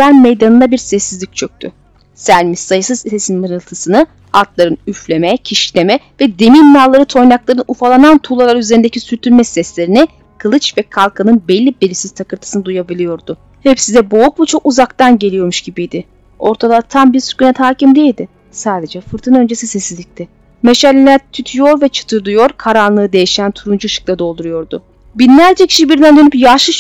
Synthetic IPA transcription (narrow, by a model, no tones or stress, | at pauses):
aɾmejd̪anɯnd̪abiɾsɛsːizlʲic̚t͡ʃʰøc̚t̪ʰy̰ | sælʲmisːajɯsɯzisesinmɯnɯlˠt̪ʰɯsɯnɯ | at̪lˠaɾɯnyflʲe̞mɛcʰiʃlʲemɛvɛd̪e̞minːalˠːaɾɯt̪ʰo̞jnaklˠaɾɯnufalˠanant̪ʰulˠalˠaɾyze̞ɾind̪ecʰisyɾt̪ʰyɾmɛsɛslʲe̞ɾinɛ | kʰɯlˠɯt͡ʃvɛkʰalˠkʰanɯnbɛlʲːibeɾisiz̥t̪ʰakɯɾt̪ʰɯ̥sɯnɯd̪ujabilʲijo̞ɾd̪ʊ | hɛpsizɛbo̞ukvɛt͡ʃʰo̞kuzakt̪anɟeijo̞ɾmuʃɟibijd̪ɪ | o̞̰ɾt̪ʰad̪at̪ʰambiɾsyɾkynɛt̪ʰaːcimd̪eilʲd̪ɪ | saːd̪e̞d͡ʒɛfɯɾt̪ʰɯnø̞nd͡ʒesisɛsizlʲic̚t̪ʰɛ | meʃalʲːilʲæɾt̪ʰyt̪ʰyjo̞ɾvɛt͡ʃʰɯ̥t̪ʰɯɾd̪ujo̞ɾkʰaɾanlˠɯːd̪e̞jiʃænt̪ʰuɾund͡ʒuɯʃɯ̥k̚d̪ˠad̪o̞lˠd̪uɾujo̞ɾd̪ʊ | binlʲæɾd͡ʒɛcʰi̥ʃibiɾd̪ænd̪ø̞nypjaʃɯʃ